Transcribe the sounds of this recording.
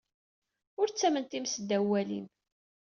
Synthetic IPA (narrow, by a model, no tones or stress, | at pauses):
ʊɾt͡sːæmənt̪imsəd̪æwːælḭn